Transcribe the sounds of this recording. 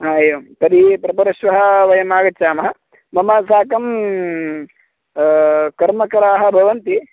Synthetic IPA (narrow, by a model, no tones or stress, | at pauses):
ɦaːjoːmt̪ɐd̪ipɾɐpɐɾɐʃʋɐɦɐ̆ʋɐjɐmaːɡɐt͡ʃaːmɐɦɐ | mɐmaːsaːkɐm | kɐɾmɐkɐɾaːɦɐ̆bʱɐʋɐnt̪i